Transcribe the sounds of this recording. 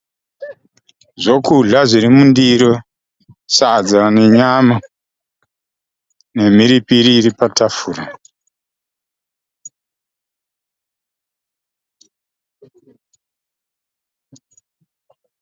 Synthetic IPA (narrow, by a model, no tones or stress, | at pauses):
ʐokuɮaʐiɾimundiɾo | sad͡zane̞ɲama | ne̞m̤iɾipiɾiːɾipatafuːra